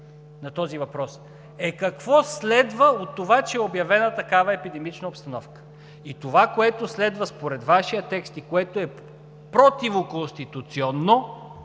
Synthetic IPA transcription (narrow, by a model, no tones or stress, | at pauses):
nɐt̪ɔzivɐpɾɔs | ɛkɐkvɔslɛd̪vəot̪ːovat͡ʃɛɛobjɐvɛnət̪ɐkavɐɛpid̪ɛmit͡ʃnəopst̪ɐnɔfkə̥ | it̪ovakoɛt̪oslɛd̪vəspoɾɛd̪vaʃijət̪ɛkst̪ikoɛt̪oɛ | pɾot̪ivokonst̪it̪ut̪siɔnːo